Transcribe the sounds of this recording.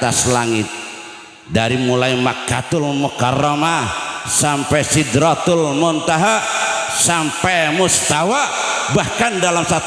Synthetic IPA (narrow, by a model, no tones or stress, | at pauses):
t̪aslaŋɪt̪̚ | daɾimulaimakːat̪ʊlmɔkarɔmasampɛsidɾat̪ʊlmɔnt̪aɦasampɛmust̪awa | bahkandalamsat̪